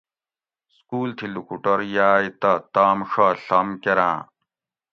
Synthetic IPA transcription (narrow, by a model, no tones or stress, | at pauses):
skuːlt̪ʰilukuʈɐɾjaːit̪ɐt̪aːmʂaɬɐmkeɾã̰ː